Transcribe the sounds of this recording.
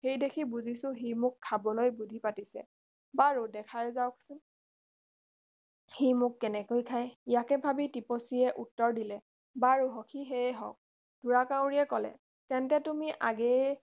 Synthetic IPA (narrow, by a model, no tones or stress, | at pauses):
xejdekʰibuzisʊ̃ɦijmʊkʰːabɔlojbudʱipatisɛ̰ | baɹudɛkʰaɹɛzawkʰsʊn | hijmʊkːɛnɛkojkʰajijakɛbʱabitiposiɛʔutːɔɹdilɛ | baɹuɦɔkʰiɦeɦɔ̰k̚ | dʱuɹakaw̃ɹiɛkɔlɛ̰ | tɛntɛtumiʔaɡɛ